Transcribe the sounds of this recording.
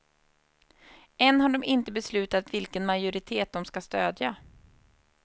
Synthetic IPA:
ɛnːɦaɖɔmɪnt̪əbɛslʉ̟ːt̪at̪vɪlkənmajʊɾɪt̪ʰeːt̪̚d̪ɔmskast̪øːd̪ja

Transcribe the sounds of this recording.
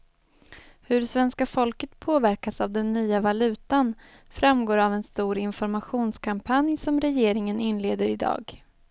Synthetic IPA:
hɵɖɛsvɛnskafɔlkət̪pʰoːvæɾkasavd̪ɛnːyːavalʉ̟ːt̪an | fɾamɡoːɾavɛnst̪uːɾɪnfɔɾmaɧuːnskʰampʰanjsɔmɾɛjeːɾɪŋənɪnːleːd̪əɾɪd̪ɑ̰ːɡ

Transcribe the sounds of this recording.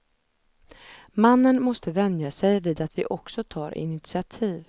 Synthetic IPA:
manːənmɔst̪əvɛnd̪jasɛjviːd̪at̪vɪʔɔksɔt̪ʰɑːɾɪ̰nɪt̪sɪat̪ʰiːv

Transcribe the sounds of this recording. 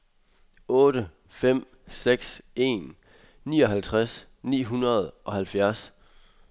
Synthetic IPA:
ɔ̽ːɾə | fem̰ | seɡ̥se̝ːnː | iːɒ̽ɦælt͡sʰʁas | nḭːɦunɐð̞̩ˠʔɒ̽hælfjæɐs

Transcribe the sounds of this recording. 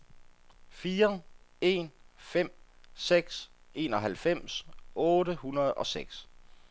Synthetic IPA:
fiːɐe̝̰nfem̰seɡ̥se̝ːnɒ̽ɦælfem̰sɔ̽ːɾəhunɐð̞̩ˠɒ̽seɡ̥s

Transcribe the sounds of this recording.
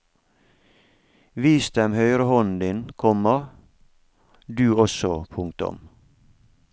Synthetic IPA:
ʋiːsd̪ɛmhœʏɾəhɔnd̪ɪnkʰɔmə | d̪ʉːɔsɔpʰʊŋk̚t̪ʊ̰m

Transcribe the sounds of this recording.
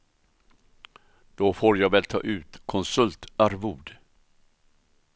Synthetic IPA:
d̪̥ofoːɾjɑːvɛːlt̪ʰɑ̰ːʔʉ̟ːt̪kʰɔnsɵlt̪aɾvuːd̪

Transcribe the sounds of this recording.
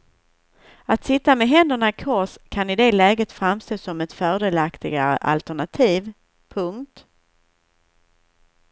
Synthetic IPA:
at̪sɪt̪ːamɛɦɛnd̪əɳakʰɔʂkʰanɪd̪eːlɛːɡət̪fɾamst̪oːsɔmɛt̪fœːɖeːlakt̪ɪ̰ɡa̰ɾə̰ʔa̰lt̪æɳat̪ʰiːv | pʰɵŋkt̪

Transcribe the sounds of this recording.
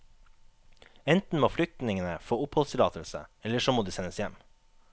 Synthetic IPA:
ɛnt̪n̩moːflʏk̚t̪nɪŋənəfoːʊphɔlst̪ʰɪlɑːt̪əlsə̰ɛləʃoːmoːd̪iːsɛnəsjæm

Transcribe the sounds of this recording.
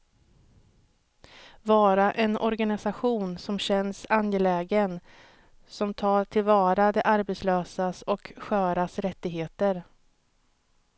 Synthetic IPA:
vɑːɾaʔɛnʔɔɾɡanɪsaɧuːnsɔmɕɛnsanjɛlɛːɡən | sɔmt̪ʰɑːʈʰɪlvɑːɾad̪ɛʔaɾbɛt̪sløːsasɔkɧœːɾasɾɛt̪ːɪɡɦeːt̪əɾ

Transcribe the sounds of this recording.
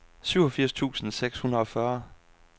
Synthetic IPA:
syʊɒfiɐ̰st͡sʰṵːsn̩seɡ̥shunʁɐɒ̽fɶɐ

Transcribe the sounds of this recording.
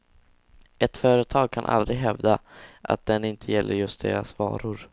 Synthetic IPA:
ʔɛt̪fœːɾət̪ʰɑːɡ̚kʰanʔa̰ld̪ɾɪɦɛvd̪aʔa̰t̪̚d̪ɛnɪnt̪ʰəjɛlːʔəɾjɵst̪̚d̪eːɾasvɑ̰ːɾʊɾ

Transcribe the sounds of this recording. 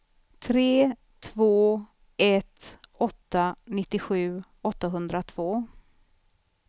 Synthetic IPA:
t̪ʰɾeː | t̪ʰvoː | ɛt̪ɔt̪ːanɪt̪ːɪɧʉ̟ː | ɔt̪ːaɦɵnd̪ɾat̪ʰv̥oː

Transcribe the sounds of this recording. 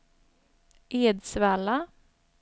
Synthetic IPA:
ʔeːd̪svæːla

